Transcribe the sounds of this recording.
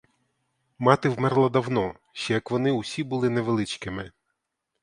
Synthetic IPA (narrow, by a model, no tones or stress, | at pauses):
mɑt̪ɪwmɛrlˠɐd̪ɐwnɔ | ʃt͡ʃɛjɐkʋɔnɪusʲibulˠɪneʋelˠɪt͡ʃkɪmɪ